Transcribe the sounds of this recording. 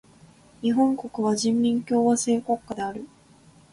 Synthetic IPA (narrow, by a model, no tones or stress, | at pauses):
ɲ̟iɦõ̞ŋko̞kɯ̟βaʑĩmːʲĩŋkʲo̞ːβase̞ːko̞kːad̪e̞aɾɯ̟